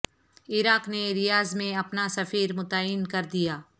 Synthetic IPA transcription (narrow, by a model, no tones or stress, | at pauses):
ɪɾaːkneɾɪjaːzmẽɐpnasɐfiːɾmʊt̪əɪnkɐɾd̪ijaː